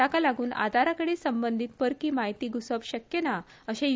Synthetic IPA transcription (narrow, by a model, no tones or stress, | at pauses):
akalaɡuːna̰d̪ʱaɾakəɽesəmbənd̪ʱit̪pəɾkiːmaɦit̪iːɡusəʋɕəkjena | əɕẽ